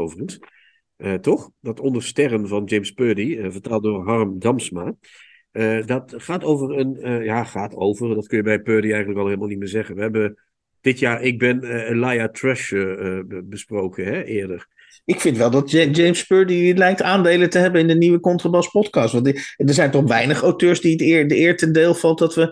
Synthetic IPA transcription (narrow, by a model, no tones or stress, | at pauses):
owvəχəns | ʔətɔχdɑtɔndəɹstɛrənvɑnd͡ʒejmspøːdiəvətaːlˠt̚dʊːɹɦɑrəmdɑmsma | ədɑtχaːtowvəɹənjaːχaːtowvərdɑtkɵnjəbɛjpøːdiɛjχəntləkɑlˠɦeːlˠmalˠnit̚mɪːɹzɛχənʋəɦɛbə | d̥ɪtjaːɹɪɡ̚bɪnəlajatrɛʃ | bəsprowkənɦɛʔɪːɹdəɹ | ɪkfɪntʋɛlˠdɑt̚d͡ʒejmspøːɹdiylɛjk̚taːndejlətəɦɛbənɪndəniʋəkɔntrabɑspɔtkɑːstʋɑntdəɹzɛjntɔχʋɛjnəχawtøːɹzditɪdəɪːɹtəndeːlˠfɑlˠtdɑtʋə